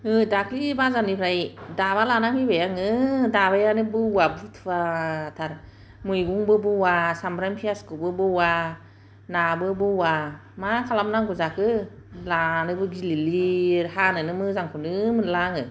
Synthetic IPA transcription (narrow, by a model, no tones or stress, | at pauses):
ɯdakʰlibazanipʰɾajdaβalanamibajaŋɯdaβajanɯbɯuabɯtʰɯbaːtʰaɾ | mujɡuŋbɯbɯwasamɾajmpʰiaskɯbɯbɯwa | nabɯbɯwa | makʰalamnaŋɡuzakʰɯlanɯbɯɡililihanɯnɯmɯzaŋkʰunɯmɯnlaŋɯ